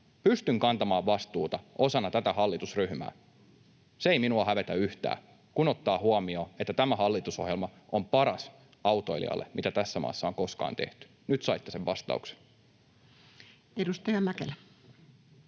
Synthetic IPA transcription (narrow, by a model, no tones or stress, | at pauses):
pyst̪yŋkɑnt̪ɑmɑːʋʋɑst̪uːt̪ɑʔo̞sɑnːɑt̪æt̪æhɑlːit̪usryhmæ̰ː | seejminuɑhæʋe̞t̪æyht̪æ̰ː | kunot̪ːɑːhuɑmioːet̪ːæt̪æmæhɑlːit̪usohjelmɑʔompɑɾɑs | ɑwt̪oilḭɑ̰lːemit̪æt̪æsːæmɑ̰ːsːɑoŋko̞skɑ̰ːnt̪e̞̰ht̪y̥ | nyt̪sɑijt̪ːeseʋʋɑst̪ɑ̰uks | edust̪ɑjɑmækelæ